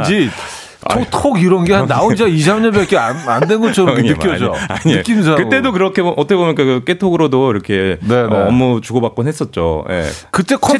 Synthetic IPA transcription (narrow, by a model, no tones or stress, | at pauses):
d͡ʑi | otʰoɡiɾʌnɡe̞hannːaond͡ʑiaiɕamɲʌbʌk͈eanandwenɡʌt͡ɕʰʌɾʌmknɯk͈jʌd͡ʑoa̰ɲiɯk͈inɯnsʰaɾakɯmt͈e̞dokɯɾʌkʰeʔʌtʰʌkʰebomik͈akɯk͈etʰoɡɯɾodoiɾʌkʰe̞neːmːʌt͡ɕuɡʌbak̚k͈onɦes͈ʌt̚t͡ɕ͈ojḛkɯt͈e̞kʰʌ